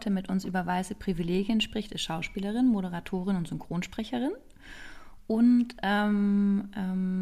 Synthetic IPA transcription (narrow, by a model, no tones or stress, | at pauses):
tʰəmɪtʔʊnsʔyːbɐvaɪsəpʁ̥ivileːɡjənʃpʁ̥ɪçtɪsʃaʊʃpiːləʁ̞ɪnmoɾəʁ̞atʰoːʁ̞ɪnʊntz̥ʏŋkʁ̥oːnʃpʁ̥ɛçəʁɪn | ʔʊntʔɛːmʔɛm